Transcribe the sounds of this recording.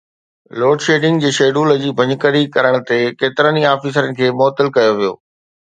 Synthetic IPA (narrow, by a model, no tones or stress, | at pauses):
loːɖʃeːɖɪ̃ŋɡd͡ʑiːʃeːɖuːləd͡ʑiːbʱɐ̃ɲkəɾikɐɾəɽ̃t̪ekeːt̪ɪɾəniaːfiːs̬əɾənɪ̆kʰeːmɔːt̪ɪlkɐjoʋijo̰ː